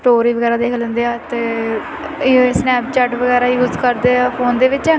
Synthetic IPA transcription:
sʈoːɾiːʋəɡɛːɾaːd̪eːkʰlə̃nd̪eːaːt̪eː | snɛːpt͡ʃɛːʈʋəɡɛːɾaːjuːzkəɾd̪eːaːpʰoːnd̪eːʋɪt͡ʃɛ̃ː

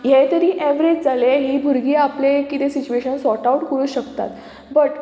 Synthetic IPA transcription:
jet̪əɾiːʔeʋɾed͡ʑd͡zaleɦiːbʱuɾɡiːaplekit̪esit͡ɕueɕənsɔʈauʈkəɾuːɕəkt̪a̰t̪ | bəʈ

